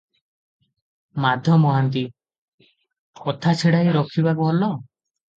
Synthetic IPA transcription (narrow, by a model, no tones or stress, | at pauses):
mad̪ʱjɔmɔɦant̪i | kɔt̪ʰat͡ʃʰiɽajɾɔkʰibakuɦɔlɔ